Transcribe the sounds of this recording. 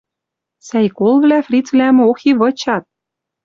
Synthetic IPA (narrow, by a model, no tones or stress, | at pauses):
sæjkolvlæfrʲit͡svlæm̆oxiβɤ̆t͡ɕɑt̪̚